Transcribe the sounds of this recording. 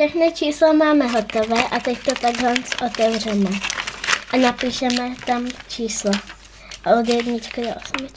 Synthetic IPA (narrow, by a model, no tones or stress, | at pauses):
ʃɛxnɪt͡ʃiːslamaːmɛɦo̞t̪ovɛːʔat̪ɛct̪o̞t̪aɡɦlɛnt͡sʔot̪ɛvr̝ɛmɛ | ʔanapiːʃɛmɛt̪amt͡ʃiːsla | ʔodjɛdɲɪt͡ʃkadɛʔosmɪt͡ʃ